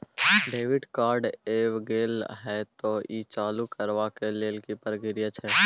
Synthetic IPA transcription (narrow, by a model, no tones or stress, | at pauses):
ɖeːʋɪɖkaːɾɖeːʋɡeːlɦɛt̪oiːt͡ʃaːlukəɾʋakeleːlkipəɾɡɪɾijət͡ʃʰɛː